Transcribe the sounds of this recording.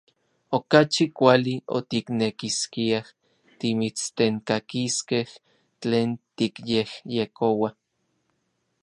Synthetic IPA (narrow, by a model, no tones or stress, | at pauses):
okat͡ʃikʷalio̰t̪iknekiskiah | t̪imit͡st̪eŋkakiskeh | t͡ɬeːnt̪ikjehjekowa